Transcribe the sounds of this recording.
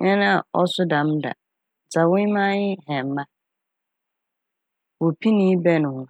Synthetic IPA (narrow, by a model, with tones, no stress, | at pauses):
ɲɛ̃˦nã˦a˨ɔ˦sʊ˦dã˨mda̰˨ | d͡za˨wʊ̃˦mã˦jɪ˦hɛ̃˨m˨˦mã˦ | wɔ˨pʰi˦nĩ˦bɛ˦nʊ̃˨hʊ̃˦˨